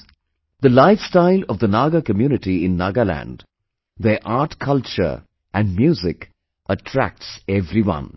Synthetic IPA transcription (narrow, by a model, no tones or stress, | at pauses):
d̪əlaɪfstaɪlɔvd̪ənaːɡəkəmjuːnɪʈiɪ̃nːaːɡəlæ̰̃nɖ | d̪əʔaːʈkʰʌlt͡ʃə̰˞ | ʔæ̃nɖmjuːzɪk | əʈʰɾæ̰k̚ʈsɛvɾiwʌ̰̃n